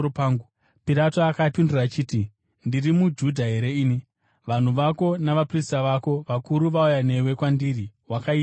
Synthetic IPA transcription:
paŋɡu | piɾatoakapinduraːt͡ʃiːti | ndirimud͡ʒudʱaɦe̞ɾe̞iːni | ʋan̤uʋako̞naʋapristaʋako̞ʋakuɾuʋaujane̞we̞kwandiriwakaia

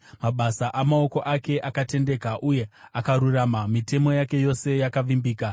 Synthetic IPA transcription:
maɓasaʔamao̞ko̞ʔake̞ʔakate̞nde̞kaʔuje̞akaɾuramamite̞mo̞jake̞jo̞se̞jakaʋimbiːka

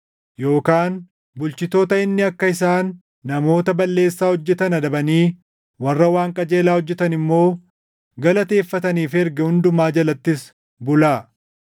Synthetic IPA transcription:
jo̞ːkaːn | bʊlt͡ʃɪt̪o̞ːt̪ɐɪnːɪɐkːɐɪsaːnː | ɐmo̞ːt̪ɐbɐlːe̞ːsːaːhɔd͡ʒːɛt̪ɐnɐd̪ɐbɐniː | wɐrːɐwaːŋkʼɐd͡ʒe̞ːlaːhɔd͡ʒːɛt̪ɐnɪmːo̞ː | ɡɐlɐt̪e̞ːfːɐt̪ɐniːfɛɾɡɛhʊnd̪ʊmaːd͡ʒɐlɐt̪ːɪs | bʊlaː

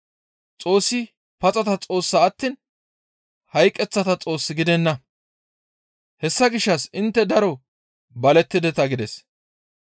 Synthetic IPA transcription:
t͡sʼo̞ːsːɪ | pɐt͡sʼɐt̪ɐt͡sʼo̞ːsːɐːt̪ːiːn | hɐjkʼːɛt͡sːɐt̪ɐt͡sʼo̞ːsːɪɡɪd̪ɛnːɐ | hɛsːɐɡɪʃːɐsɪnt̪ːɛd̪ɐɾɔ | bɐlɛt̪ːɪd̪ɛt̪ɐɡɪd̪ɛs

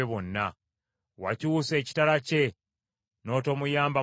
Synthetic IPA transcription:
eβonːa | waciwuse̞ːci̥talace̞ | no̞ːto̞ːmujaːmba

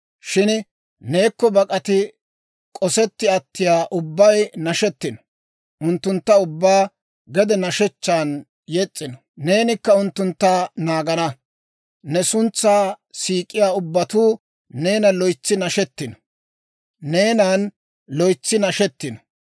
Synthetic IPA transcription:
ʃɪn | neːkːɔbɐkʼɐt̪ɪ | kʼɔsɛt̪ːɪɐt̪ːɪjaːʔʊbːɐjnɐʃɛt̪ːɪnɔ̥ | ʔʊnt̪ːʊnt̪ːɐʊbːaː | ɡɛd̪ɛnɐʃɛt͡ʃːaːn | jɛt͡sʼːɪnɔ | ne̞ːnɪkːɐʊnt̪ːʊnt̪ːaːnaːɡɐnɐ | nɛsʊnt͡sːaː | siːkʼːɪjaːʊbːɐt̪uː | ne̞ːnɐlɔjt͡sːɪnɐʃɛt̪ːɪnɔ̥ | ne̞ːnaːn | lɔjt͡sːɪnɐʃɛt̪ːɪnɔ̥

